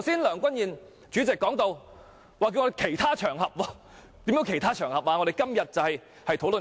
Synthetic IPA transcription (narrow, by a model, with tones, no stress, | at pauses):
wsiː˥nlœː˨˩ŋkʷɐ˥njiː˨˩n | t͡ʃyː˨˥t͡sɛ˨kːɔː˨˥ŋt̪o˧w | waː˨ki˧wŋɔː˧e˨˩kʰe˨˩jt̪ʰaː˥t͡ʃʰœː˨˩ŋhɐ˨p̚wɔː˧ | t̪i˨˥mjœ˨˥kʰe˨˩jt̪ʰaː˥t͡ʃʰœː˨˩ŋhɐ˨p̚aː˧ŋɔ˨˧ɾe˨jkɐ˥mjɐ˨t̚t͡sɐ˨whɐ˨j | hɐ˨jt̪ʰo˨˥wlɵ˨n